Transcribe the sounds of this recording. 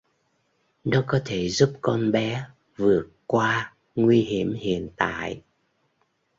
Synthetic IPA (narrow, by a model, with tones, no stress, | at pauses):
nɔ˨˦kɔ˨˦t̪ʰe˧˩zu˦˥p̚kɔ˧nɓɛ˨˦ | vɨ˨˩ət̚kwaː˧ | ŋwi˧ɦi˧˩əmhḭ˧˨ənt̪a̰ː˧˨j